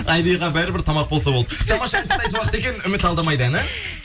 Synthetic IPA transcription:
ɑjd̪ijʁɑbæɾɪbɪɾt̪ʰɑmɑq̚bo̞lˠsɑb̪ˠd̪ət̪ʰɑmɑʃɑnt̪ʰɪɑjt̪uwɑqət̪e̞kʲe̞nʏmɪt̪ɑlˠd̪ɑmɑjd̪əænɪ

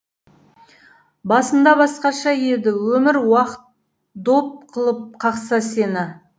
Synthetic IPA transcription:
bɑsənd̪ɑbɑsqɑʃɑjed̪ɪwɵmɪɾwɑqət̪ | d̪op̚qʰəlˠəp̚qʰɑqsɑse̞nɪ

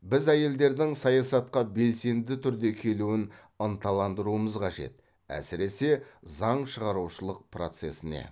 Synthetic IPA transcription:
bɪzæje̞ld̪e̞ɾd̪ɪŋsɑjɑsɑt̪̚qɑbe̞lse̞nd̪ɪt̪ʰʏɾd̪e̞kʲʰe̞luɪn | ənt̪ʰɑlˠɑnd̪əɾuəməzqʰɑʒe̞̰t̪ | æ̰sɪɾe̞se̞zɑɴʃəʁɑɾuʃəlˠəq̚pro̞̰t̪se̞sɪne̞̰

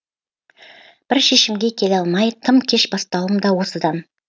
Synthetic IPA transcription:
b̥ɪɾʃe̞ʃɪmɡʲe̞kʲʰe̞lɑlˠmɑjt̪ʰəmkʲʰe̞ʃbɑst̪ɑwəmd̪ɑwo̞səd̪ɑn

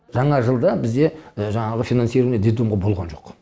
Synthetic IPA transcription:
ʒɑɴɑʒəlˠd̪ɑbɪzd̪e̞ʒɑɴɑʁəfʲijnansiɾuned̪et̪umʁɑbo̞lˠʁɑ̰nʒo̞q

